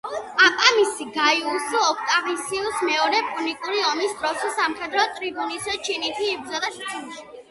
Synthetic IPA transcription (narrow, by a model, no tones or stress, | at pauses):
apʼamisiɡaiusɔɔkʰt̪ʼaʁisiusmɛɔɾɛpʼunikʼuɾiɔmisd̪ɾɔsisamχɛd̪ɾɔt̪ʼɾibunisɛt͡ʃʰinit̪ʰiːbɾd̪zɔd̪aʃt͡ʃʰɛnʃ